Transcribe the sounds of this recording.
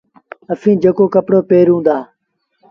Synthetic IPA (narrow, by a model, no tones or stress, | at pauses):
əfʰĩːd͡ʒeːkoːkəpɽoːpeːɾɦũːnd̪aː